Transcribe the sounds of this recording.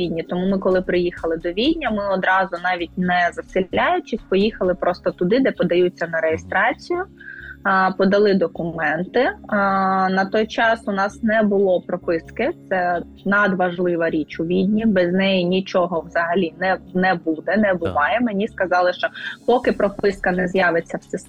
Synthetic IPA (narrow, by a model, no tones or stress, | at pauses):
idʲnʲit̪ɔmumɪkɔlˠɪpɾɪjixɐlˠɪd̪ɔʋʲidʲnʲɐmɪɔd̪ɾɑzʊnɑʋʲit̚ʲnɛzɐsɪajʊt͡ʃɪsʲpɔjixɐlˠɪpɾʔɔst̪ɔt̪ʊd̪ɪd̪ɛpɔd̪ɐjut͡sʲːɐnɐɾejest̪ɾɑt͡sʲijʊ | pɔd̪ɐlˠɪd̪ɔkʊɛnt̪ɪ | nɐt̪ɔjt͡ʃɑsʊnɑsnɛbʊlˠɔpɾɔpɪskɪt̪sɛ | nɐd̪ʋɐʒlˠɪʋɐɾʲit͡ʃʊʋʲid̪ʲnʲibɛznɛjinʲit͡ʃɔɦɔwzɐɦɐlʲinɛnɛbud̪ɛnɛbʊʋɑjɛmenʲiskɐzɑlˠɪʃt͡ʃɔpɔkɪpɾɔpɪskɐnɛzjɑʋet͡sʲːɐwsɪs